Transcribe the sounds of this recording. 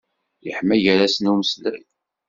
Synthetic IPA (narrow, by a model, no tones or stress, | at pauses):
jəħmæjəɾæsənuməslæl